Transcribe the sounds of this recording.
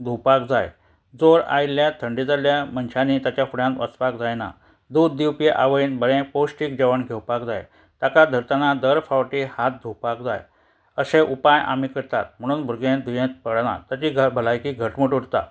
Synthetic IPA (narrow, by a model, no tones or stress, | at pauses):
d̪ʱupakd͡za̰j | d͡zoɾa̰jiljat̪ʰəɳɖid͡zaljamənɕaniːt̪at͡ɕjafuɽjãnʋʔət͡spakd͡zajna̰ | d̪ud̪ːiwpeʔa̰ʋəiːnbəɭẽposʈiːk̚d͡ʑəʋəɳɡʱewpakd͡za̰j | t̪akad̪ʱəɾt̪anad̪əɾfawʈihat̪̚d̪ʱupakd͡za̰j | əɕeʔupaja̰mikəɾt̪a̰t̪̚m̤əɽ̃uːnbʱuɾɡẽd̪ʱujẽt̪̚pəɽna̰t̪jat͡ɕiːɡbʱəlajkiːɡʱəʈməʈuɽt̪a̰